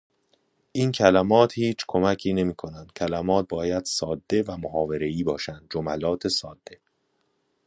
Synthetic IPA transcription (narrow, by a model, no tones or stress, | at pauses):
ʔiːncʰælæmɒːt̪hiːt͡ʃʰkʰo̞mæcʰiːne̞miːkʰo̞nænd̪̥cʲʰælæmɒːt̪̚bɒːjæd̪̥sɒːd̪ːe̞væmoɦɒːve̞ɾe̞iːbɒːʃænd̪̚d͡ʒomælɒːt̪ʰesɒːd̪ːe̞